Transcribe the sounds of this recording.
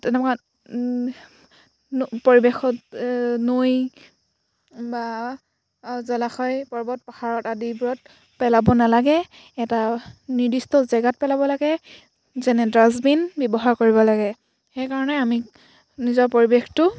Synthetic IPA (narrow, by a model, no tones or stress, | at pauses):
tɛnɛmka | poɹibexɔtnoj | ba | zɔlaxɔjpɔɹbɔt̚paxaɹɔtadibuɹɔt̚ | pɛlabɔnalaɡɛ | ɛtaniɹdistɔzɛɡat̚pɛlabɔlaɡɛ | zɛnɛdɹazbinbjɔbɔɦaɹkoɹibɔlaɡɛ | xɛjkaɹɔnɛami | nizɔɹpoɹibextʊ